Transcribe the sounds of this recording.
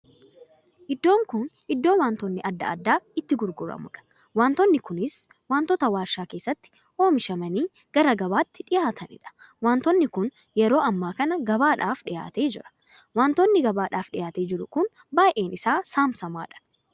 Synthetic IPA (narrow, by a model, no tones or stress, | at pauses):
ʔɪd̪ːo̞ːŋkʊnʔɪd̪ːo̞ːnwaːnt̪ɔnːɪʔɐd̪ːɐ̰ɐ̰d̪ːaːɪt̪ːɪɡʊɾɡʊɾɐ̰mʊ̰ᶑɐ̥ | waːnt̪ɔnːɪkʊnɪs | waːnt̪ɔt̪ɐwaːɾʃaːkeːsːɐt̪ːɪ̥ | hoːmɪʃɐmɐniː | ɡ̥ɐɾɐɡɐβaːt̪ːɪᶑɪjaːt̪ʰɐnɪ̰ᶑɐ̥ | waːnt̪ɔnːɪkʊn | jɛɾo̞ːɐmːaːkɐnɐɡɐβaːᶑaːfᶑɪja̰ːt̪eːd͡ʒɪ̰ɾɐ̥ | waːnt̪ɔnːɪɡɐbaːᶑaːfᶑɪjaːt̪e̞ːd͡ʒɪɾʊkʊn | baːjʔe̞ːnɪsaːsaːmsɐma̰ːᶑɐ̥